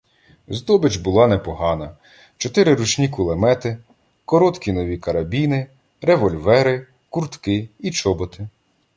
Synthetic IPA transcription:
zd̪ɔbɪt͡ʃbʊlˠɑnɛpɔɦɑnɐ | t͡ʃɔt̪ɪɾɪɾut͡ʃnʲikʊlˠemɛt̪ɪ | kɔɾɔt̪kʲinɔʋʲikɐɾɐbʲinɪ | ɾeʋɔlʲʋɛɾɪ | kurt̪kɪit͡ʃɔbɔt̪ɪ

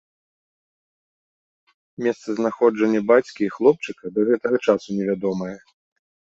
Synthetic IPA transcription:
mʲɛst̪sɐznaxɔd͡ʐɐnʲːɐbat͡sʲkʲiːxlˠɔp̚t͡ʂɨkɐd̪ɐɣɛt̪ɐɣɐt͡ʂasunʲɛvʲad̪ɔmɐjɛ

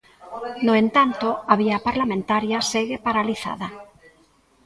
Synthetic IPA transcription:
noẽnt̪ant̪oaβ̞iapaɾlamẽnt̪aɾjaseɣepaɾaliθa̰ða

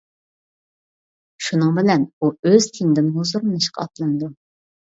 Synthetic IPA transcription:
ʃunɨŋbɪlɛnuøz̥t̪ʰeŋd̪ɪnɦozuɾnɨʃqʰɑ̰ɑt̪lˠɑnd̪u

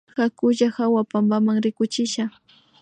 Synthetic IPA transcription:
xakʊʒahawapambamaŋɾɪkʊt͡ʃɪʃa

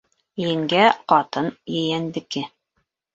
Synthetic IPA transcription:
jɘ̆ŋɡæqɑt̪ɤnjɘ̆jænd̪ɘ̆kɘ

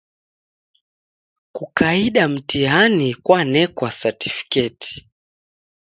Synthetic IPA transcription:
kukaiɗam̩tianikwanɛkwasati̥fi̥kɛti̥

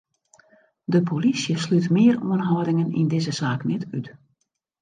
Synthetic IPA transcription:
dəpʰolisjəslytmɪəruənɦɔdɪŋənḭndɪzəzaːknɛtyt

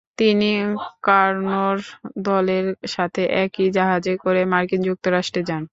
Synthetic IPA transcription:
t̪inikaɾnoɾd̪ɔleɾʃat̪ʰeʔɛkid͡ʑaɦad͡ʑekoɾemaɾkind͡ʑuk̚t̪oɾaʃʈɾed͡ʑan

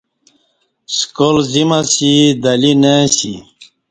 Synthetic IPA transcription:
skolzimasid̪ɐlinesḭ

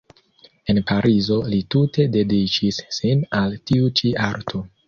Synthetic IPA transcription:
e̞npaɾʔizo̞litutʰe̞de̞dit͡ʃisːinaltiut͡ʃiaɾtʰo

